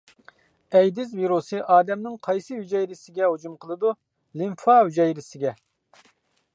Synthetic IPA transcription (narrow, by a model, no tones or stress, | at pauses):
ɛjd̪ɪzviɾusɨʔɑːd̪ɛmnɪŋqʰɑjsɨhyd͡ʒɛjɾɪsɪɡʲɛɦud͡ʒumqʰəlˠɨd̪u | limfɑɦyd͡ʒɛjɾɪsɪɡʲɛ